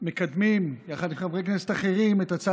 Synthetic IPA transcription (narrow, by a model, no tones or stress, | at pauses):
me̞kad̪mimjaχad̪lifχavʁeknesetaχeʁimet̪at͡sa